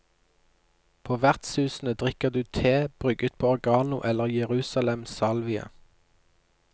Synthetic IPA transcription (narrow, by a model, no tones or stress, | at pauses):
pʰoːʋæʁt̪sʉːsn̩əd̪ʁɪkəʁd̪ʉːt̪ʰeːb̥ʁʏɡət̪̚pʰoːɔʁɡɑːnʊʔɛləʁjəʁʉːsɑlɛmsɑlʋɪə̰